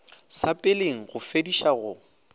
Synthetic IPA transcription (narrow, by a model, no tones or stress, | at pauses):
sapʼɪleŋ̩ɣʊfediʃaɣʊ